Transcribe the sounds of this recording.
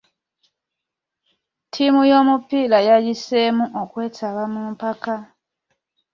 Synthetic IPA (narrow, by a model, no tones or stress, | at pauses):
tʰimujo̞mupilajajisemuʔokwe̞ːtʰaβamumpaka